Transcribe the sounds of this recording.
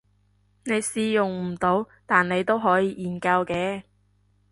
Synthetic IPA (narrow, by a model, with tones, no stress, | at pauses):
ne˨˧jsiː˧jʊ˨ŋm̩˨˩t̪o˨˧w | t̪aː˨nne˨˧jt̪o˥wɦɔː˨˥jiː˧ʔiː˨˩nkɐ˧wkɛː˧